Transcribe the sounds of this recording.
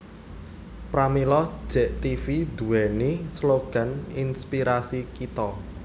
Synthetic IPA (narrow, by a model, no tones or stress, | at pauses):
pɾamilɔ̥ʒ̥ɛ̤ʔt̪ifid̪̥uwɛnisloɡ̥a̤ninspiɾasikit̪ɔ